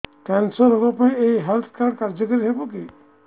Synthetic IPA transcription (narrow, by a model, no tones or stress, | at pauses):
kɛnsɔɾɦɔkɔpaĩeiɦelt̪ʰkaɾɖkaɾd͡ʒɔkɔɾiɦebɔki